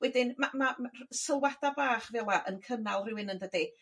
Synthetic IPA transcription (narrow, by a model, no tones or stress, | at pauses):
wɛdɪnmamamasəlˠwadabaːχvɛlˠaʔənkʰənalˠrɪwɪnəndədi